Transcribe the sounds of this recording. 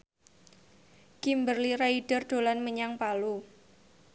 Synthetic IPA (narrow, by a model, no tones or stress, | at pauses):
kimbərliɾaiɖ̥ərɖ̥olanməɲaŋpalu